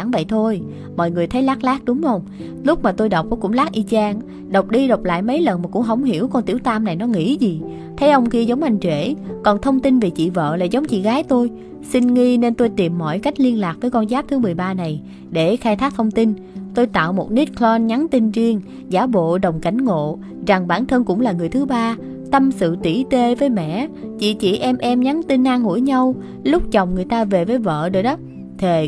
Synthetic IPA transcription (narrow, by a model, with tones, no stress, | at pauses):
ŋvə̰˧˨jt̪ʰo˧j | mɔ̰˧˨jŋɨ˨˩əjt̪ʰə˨˦jlaː˦˥k̚laː˦˥k̚ɗʊ˨˦ŋ͡mhə˧wŋ͡m | lʊ˦˥k͡p̚maː˨˩t̪o˧jɗə˨˩wk͡p̚ʔo˨˧˦kʊ̰˧˥ŋ͡mlaː˦˥k̚ʔi˧t͡ɕaː˧ŋ | ɗə˨˩wk͡p̚ɗi˧ɗə˨˩wk͡p̚la̰ː˧˨jmə˨˦jlə˨˩nmaː˨˩kʊ̰˧˥ŋ͡mɦə˨˧˩wŋ͡mɦḭ˧˩˥əwkɔ˧nt̪ḭ˧˩əwt̪aː˧mna˨˩jnɔ˨˦ŋḭ˧˥zi˨˩ | t̪ʰə˨˦jʔə˧wŋ͡mki˧əzə˨˦wŋ͡mʔa˧jŋ̟t͡ɕwe˧˩kɔ˨˩nt̪ʰə˧wŋ͡mt̪i˧nve˨˩t͡ɕḭ˧˨və̰ː˧˨laː˨˩zə˨˦wŋ͡mt͡ɕḭ˧˨ɣaː˨˦jt̪o˧j | si˧nŋi˧ne˧nt̪o˧jt̪i˨˩mːɔ̰˧˨jka˦˥jk̟̚li˧ənlaː˨˩k̚vəː˨˦jkɔ˧nzaː˦˥p̚t̪ʰɨ˨˦mɨ˨˩əjɓaː˧na˨˩j | ɗe˧˩xaː˧jt̪ʰaː˦˥k̚t̪ʰə˧wŋ͡mt̪i˧n | t̪o˧jt̪a̰ː˧˨wmo˨˩t̚ni˦˥t̚klɔ˧nɲa˨˦nt̪i˧nzi˧əŋ | zaː˨˦ɓo̰˧˨ɗə˨˩wŋ͡mka˧˩jŋ̟ŋo̰˧˨ | za˨˩ŋɓaː˧˩nt̪ʰə˧nkʊ̰˧˥ŋ͡mlaː˨˩ŋɨ˨˩əjt̪ʰɨ˨˦ɓaː˧ | t̪ə˧msɨ̰˧˨t̪i˧˩t̪e˧vəː˨˦jmɛ̰˧˨t͡ɕḭ˧˨t͡ɕḭ˧˩˨ʔɛ˧mʔɛ˧mɲa˨˦nt̪i˧nʔaː˧ŋŋṵ˧˩əjɲa˧w | lʊ˦˥k͡p̚t͡ɕə˨˩wŋ͡mŋɨ˨˩əjt̪aː˧ve˨˩vəː˨˦jvə̰ː˧˨ɗə˨˩j̚ɗɔ˨˦ | t̪ʰe˨˩